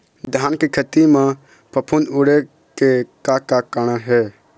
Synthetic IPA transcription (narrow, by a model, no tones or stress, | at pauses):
d̪ʱaːnkekʰət̪imẽ | pəpʰunuɽe | kekakakəñaɦɛː